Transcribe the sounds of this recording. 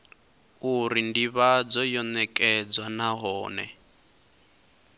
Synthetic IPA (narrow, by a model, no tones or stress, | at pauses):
uɾindiβad͡zɔjɔnɛkʼɛd͡zwanaɦɔːnɛ̰